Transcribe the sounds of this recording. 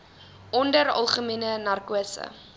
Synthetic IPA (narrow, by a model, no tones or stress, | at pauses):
ʔɔndəɾɐ̰lˠχəmiənənɐrkuəsə̰